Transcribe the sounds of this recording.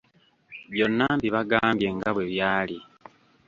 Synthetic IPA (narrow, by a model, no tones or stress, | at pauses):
βjo̞nːambiβaɡaːmbje̞ŋɡaβweβjaːli